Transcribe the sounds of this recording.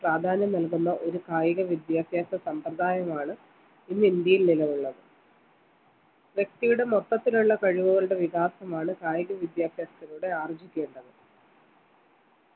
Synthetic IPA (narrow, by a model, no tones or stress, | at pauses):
praːd̪ʱaːnjɐmnɐlkunːɐʔo̞ɾukaːjiɣɐʋid̪jaːsjaːsɐsɐmprɐd̪ʱaːjɐmaːɳɨ | inːɨind̪jɐjilnilɐʋuɭːɐðɨ | ʋjek̚t̪ijuɽe̞mot̪ːɐt̪ːiluɭːɐkɐɻiʋuɣɐluɽe̞ʋiɣaːsɐmaːɳɨkaːjiɣɐʋid̪jaːsjaːst̪ɐluːɽe̞aːrɐt͡ɕːikʲːe̞ːɳɖɐðɨ